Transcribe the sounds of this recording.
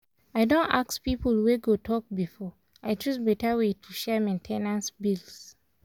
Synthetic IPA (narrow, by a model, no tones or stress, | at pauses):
aɪdõnta̰kspipəlweɡotʰɔk̚bifɔ | aɪtʰɹusbɛtawetʰuʃɛmẽntʰenãnsbils